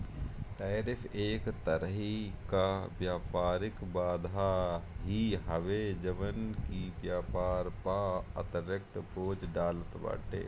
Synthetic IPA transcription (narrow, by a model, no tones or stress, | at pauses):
ʈɛːɾɪpʰeːkt̪əɾəɦikaʋjaːpaːɾɪkbaːd̪ʱaɦiɦəʋed͡ʒəʋənkiʋjaːpaːɾpaə̰t̪əɾjək̚t̪poːd͡ʒɖaːlət̪ba̰ːʈḛː